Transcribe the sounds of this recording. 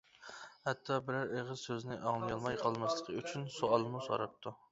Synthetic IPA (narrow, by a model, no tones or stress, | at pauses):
hɛt̪ʰːɑbɪɾæɾeʁəzsøznɪʔɑŋlˠɨjɑlˠmɑjqʰɑlˠmɛslˠəqʰəyt͡ʃʰynsoɑlˠmuso̰ɾɑp̚t̪ʰu